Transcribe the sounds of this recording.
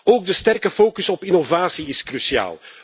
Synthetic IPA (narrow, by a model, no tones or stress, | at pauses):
oːɡ̚dəstɛrkəfoːkɵsɔpɪnovaːsiɪskrysia̰ːlˠ